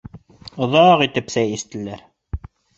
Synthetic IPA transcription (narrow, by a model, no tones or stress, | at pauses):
ŏðɑʁit̪ɘpsæjist̪ɘ̆læɾ